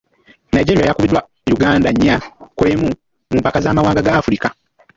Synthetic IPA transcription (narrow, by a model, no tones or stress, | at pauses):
najd͡ʒe̞ɾijajakuβidwa | juɡaːndaɲːakwe̞ːmu | muːmpakazaːmawaːŋɡaɡaːfuɾika